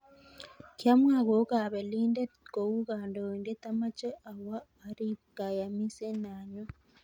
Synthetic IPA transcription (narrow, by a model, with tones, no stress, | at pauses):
kjamwaː˨ɣo˨ka˨βe˨liːnde˦ko˨wu˦ɣaːndo˨weŋɡe˦tama˦t͡ʃe˦ʔa˨waː˨ | ɾika˨ja˨misena˨ɲo˦